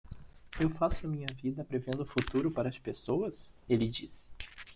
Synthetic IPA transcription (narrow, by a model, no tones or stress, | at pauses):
ewfasʊɐmĩɲɐvid̪ɐpɾevẽnd̪ʊfut̪uɾʊpaɾɐːspesowɐs | elɪd͡ʒis